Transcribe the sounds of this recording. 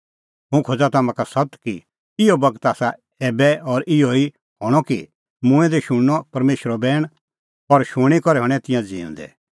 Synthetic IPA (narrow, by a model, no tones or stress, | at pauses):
ɦũkʰod͡zat̪aːmãkasɐt̪ki | ɪɔbɐɡt̪aːsa | ɛːbɛɔɾɪɔi | hɔːɽ̃ɔkḭ | mʊ̃ɛ̃d̪ɛʃʊɽːɔpɐɾmeːʃɾɔbɛːɽ̃ | ɔɾʃʊɽ̃ikɔɾɛɦɔɽ̃ɛ̃t̪ɪ̃jãd͡zḭ̃ːʊ̰̃nd̪ɛ̰